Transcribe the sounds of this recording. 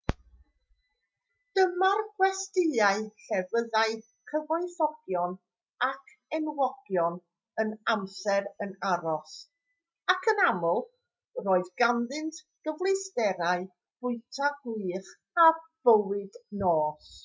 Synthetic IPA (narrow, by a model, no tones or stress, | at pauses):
d̥əmarɡwɛstɪaɨɬɛvəðaɨ | kʰəvɔɨθɔɡ̥jɔn | akʰ | ɛnwɔɡ̥jɔn | ənamsɛɾənaɾɔs | akʰənamɔlˠ | roːɨðɡanðɨntʰ | ɡ̥əvlˠɨsdɛɾaɨ | b̥ʊɨtʰaɡwiːχ | ab̥əwɨdnoːs